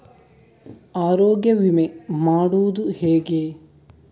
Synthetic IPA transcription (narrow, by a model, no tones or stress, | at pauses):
aːɾoːɡjɐʋimemaːɽud̪uheːɡeː